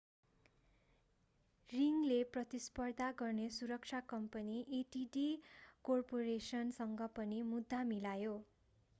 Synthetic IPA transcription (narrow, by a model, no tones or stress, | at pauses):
riŋleprʌt̪ispʌrd̪ʱaɡʌrnesuɾʌk̚t͡ʃʰakʌmpʌniʔiʈiɖikorporesʌnsʌŋɡʌpʌnimud̪ʱːamilajo